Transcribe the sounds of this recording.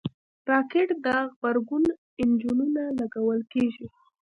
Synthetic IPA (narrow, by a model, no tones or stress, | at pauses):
ɾɑkeʈd̪aɣbaɾɡun | ɪnd͡ʒununalaɡawəlkeʒi